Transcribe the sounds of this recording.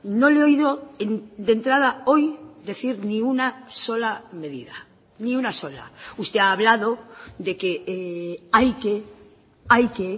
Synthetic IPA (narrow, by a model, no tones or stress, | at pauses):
no̞leo̞iðo̞end̪e̞nt̪ɾað̞ao̞jd̪e̞θiɾnĩunaso̞lame̞ðiða | niunaso̞la̰ust̪e̞aːβlað̞o̞ðe̞ke̞ | ajke | ajke